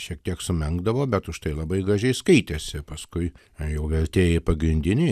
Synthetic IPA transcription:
ʃʲiɛk̚t̪ʲiɛksʊmʲɛŋɡd̪ɐʋoːbʲɛt̪ʊʃt̪ɐɪlˠɐbɐɪɡɾɐʒʲɛɪskɐɪt̪ʲesʲɪpɐskʊɪ | jɛʊʋʲɛɾʲt̪ʲeːjepɐɡɾʲɪnʲd̪ʲɪnʲɛɪ

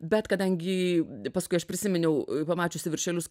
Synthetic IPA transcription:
bʲɛt̪kɐd̪ɐŋʲɡʲɪpɐskʊɪɐʃpʲɾʲɪsʲɪmʲɪnʲɛʊpɐmɑːt͡ʃʲʊsʲɪʋʲɪɾʲʃʲɛlʲʊs

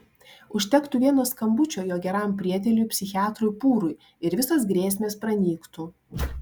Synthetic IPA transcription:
ʊʃʲt̪ʲɛkt̪ʊʋʲiɛnoːskɐmbʊt͡ʃʲoːjoːɡʲɛɾɑˑmpʲɾʲiɛt̪ʲɛlʲʊjpʲsʲɪxʲɪɑːt̪ɾʊɪpuːɾʊɪ | ɪɾʋʲɪsɐsɡɾʲeːsʲmʲeːspɾɐnʲiːkt̪u

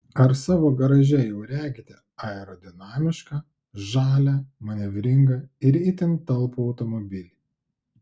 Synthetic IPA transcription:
ɐɾsɑːʋoːɡɐɾɐʒʲɛjɛʊɾʲæːɡʲɪt̪ʲɪ | ɑɛɾɔd̪ʲɪnɑːmʲɪʃkɑ | ʒɑːlʲæːmɐnʲɛʋʲɾʲɪŋɡɐɪɾɪt̪ʲɪnt̪ɐlˠpuːɒʊt̪ɔmɔbʲɪlʲiː

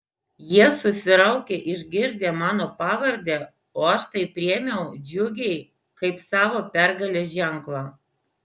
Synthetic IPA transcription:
jiɛsʊsʲɪɾɐʊkʲeːʔɪʒʲɡʲɪɾʲd̪ʲeːmɑːnoːpɑːʋɐɾʲd̪ʲeː | oːɐʃt̪ɐɪpʲɾʲiɛmʲeɛʊd͡ʒʲʊɡʲɛɪ | kɐɪpsɑːʋoːpʲæɾɡɐlʲoːʒʲɛŋklˠɑː

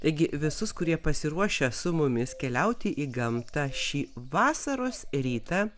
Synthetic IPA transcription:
t̪ɐɪɡʲɪʋʲɪsʊskʊɾʲiɛpɐsʲɪɾuɔʃʲɛsʊmʊmʲɪskʲɛlʲɛʊt̪ʲɪʔiːɡɐmt̪ɑʃʲiːʋɑːsɐɾoːsɾʲiːt̪ɐ

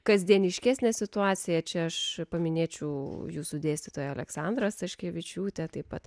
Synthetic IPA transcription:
kɐzʲd̪ʲiɛnʲɪʃʲkʲæːsʲnʲɛsʲɪt̪ʊɑːsʲɪjɛt͡ʃʲɛɐʃpɐmʲɪnʲeːt͡ʃʲɛʊjuːsud̪ʲeːsʲt̪ʲɪt̪oːjɐlʲɛksɑːnd̪ɾɐst̪ɐʃʲkʲeɛːʋʲɪt͡ʃʲuːt̪ʲɛt̪ɐɪpɐt̪

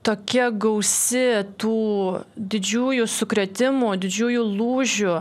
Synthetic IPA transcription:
t̪oːkʲɛɡɐʊsʲɪt̪uːd̪ʲɪd͡ʒʲuːjʊsʊkɾʲɛt̪ʲɪmuːd̪ʲɪd͡ʒʲuːjʊlˠuːʒʲʊ

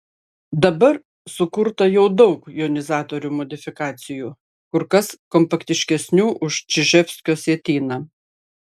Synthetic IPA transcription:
d̪ɐbɐɾ | sʊkʊɾt̪ɐjɛʊd̪ɒʊkjoːnʲɪzɑːt̪oːɾʲuːmɔd̪ʲɪfʲɪkɑːt̪sʲɪjuː | kʊɾkɐskɔmpɐkt̪ʲɪʃʲkʲɛsʲnʲuːʔʊʃt͡ʃʲɪʒʲɛpʲsʲkʲoːsʲeɛt̪ʲiːnɐ

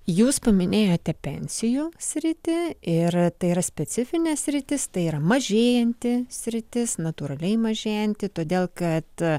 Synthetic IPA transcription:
juːspɐmʲɪnʲeːjoːt̪ʲɛpʲɛ̰nʲsʲɪjuːsʲɾʲɪt̪ʲɪɪrt̪ɐɪiɾɐsʲpʲɛsʲɪfʲɪnʲɛsʲɾʲɪt̪ʲɪst̪ɐɪiːɾɐmɐʒʲeːjɛnʲt̪ʲɪsʲɾʲɪt̪ʲɪsnɐt̪uːɾɐlʲɛɪmɐʒʲeːjɛnʲt̪ʲɪt̪oːd̪ʲeːlˠkɐt̪

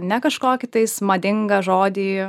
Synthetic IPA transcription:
nʲɛkɐʃkoːkʲɪt̪ɐɪsmɐd̪ʲɪŋɡɐʒoːd̪ʲiː

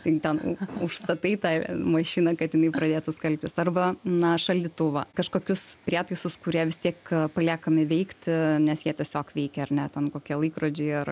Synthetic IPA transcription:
t̪ʲɪt̪ʲɛnʊʃst̪ɐt̪ɐɪt̪ɑɪmɐʃʲiːnɐkɐt̪jɪnɐɪpɾɐd̪ʲeːt̪ʊskɐlʲpʲt̪ʲɪsɐrbɐnɐʃɐlʲd̪ʲɪt̪ʊʋɐkɐʃkoːkʲʊspʲrʲiːt̪ɐɪsʊskʊɾʲiɛʋʲɪst̪ʲiɛkpɐlʲæːkɐmʲɪʋʲɛɪkt̪ʲnʲɛsjiɛt̪ʲiɛsʲoːkʋʲɛɪkʲɛɐɾnʲɛt̪ʲɛnkoːkʲiɛlˠɐɪkroːd͡ʒʲeɪɐr

